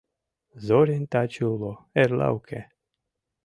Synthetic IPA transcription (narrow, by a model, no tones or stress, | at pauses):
zoɾint̪at͡ʃuloeɾla̰wkʰe